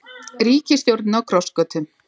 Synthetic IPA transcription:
ɾiːcɪsθjowɾt̪nawkʰɾɔwskœːt̪ʏm

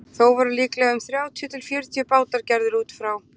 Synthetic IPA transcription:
θowvaɾʏliːklɛɣaʏmθɾjaːwt̪ʰjʏt̪ʰɪlfjœːɾʏt̪ʰjʏpaːwt̪aɾ̥cɛɾðɪɾuːt̪fɾaw

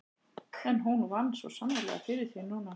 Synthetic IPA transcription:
ɛnɦunvanːsvɔ̰samːaɾlɛ̰ɣa̰fɪɾɪɾ̥θinuːna

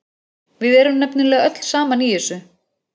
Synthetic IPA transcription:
vɪðɛɾʏmnɛpnɪlɛːɣœt̪l̥saːmaniɛsʏ

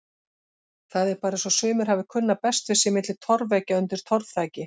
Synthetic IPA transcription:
θaðɛɾpaːɾasɔsʏːmɪɾ̥havɪkʰʏnːapɛst̪vɪsɪmɪt̪lɪ̥t̪ʰɔɾvɛcaʏnt̪ɪɾ̥t̪ʰɔɾvθaːjcɪ

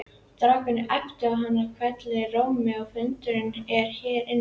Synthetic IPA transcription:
t̪ɾaːkʏnɪʔɛht̪ʏawɦanːakʰvɛt̪lɛroːwmɪawfʏnt̪ʏɾɪnɛɾ̥çɛːɾɪn

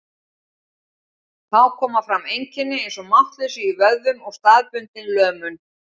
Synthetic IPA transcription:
θawkʰɔːmafɾamejɲcɪnːɪejnsɔmaht̪lœɥsʏːvœððʏmɔɣst̪aːðpʏnt̪ɪnlœːmʏn

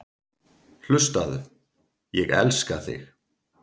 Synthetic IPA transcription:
l̥ʏst̪aðʏ | jɛɣɛ̰lskaθɪ̰x

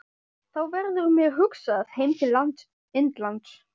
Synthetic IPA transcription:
θawvɛɾðʏɾmjɛɣɦʏksaðheːjmt̪ʰɪllːant̪s | ɪnt̪lant̪s

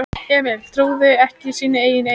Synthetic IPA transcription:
ɛmɛlt̪ʰɾuːðʏɛhcɪsiːnʏeːjɪne

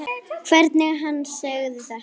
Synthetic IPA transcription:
kʰvɛɾt̪nɪɣɦanːsœɣðɪθaht̪

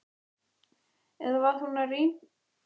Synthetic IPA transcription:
ɛðavaɾ̥θunari

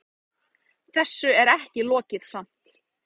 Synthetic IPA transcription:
θɛsːʏɛɾɛhcɪlɔːcɪðsam̥t̪

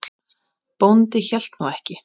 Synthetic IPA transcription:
pownt̪ɪçɛl̥t̪nuwɛhcɪ

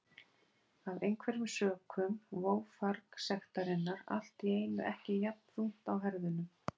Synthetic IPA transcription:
avejnkʰvɛɾɪmsœːkʰʏmvoːwfaɾksɛxt̪aɾɪnːaɾa̰l̥t̪ieːjnʏʔɛhcɪjat̪nθun̥t̪awɦɛɾðʏnʏ

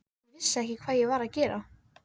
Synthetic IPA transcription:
vɪsːaɛhcɪkʰv̥aːðjɛɣvaɾaðcɛːɾa

